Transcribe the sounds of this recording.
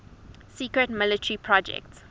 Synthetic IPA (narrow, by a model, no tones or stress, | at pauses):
siːkɹətmɪlətəɹipʰɹɔd͡ʒɛ̰k̚ts